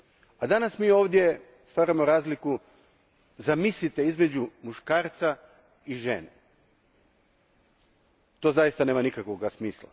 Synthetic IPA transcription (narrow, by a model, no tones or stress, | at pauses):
ad̪anasmiːo̞ːʋd̪ʲje̞ | st̪ʋaɾamo̞ɾaːzliku | zamislit̪eizme̞d͡ʑumuʃkaːɾt̪sa | iʒḛne | t̪o̞ːzajist̪aneːmanikakʋo̞ɡasmiːslˠa̰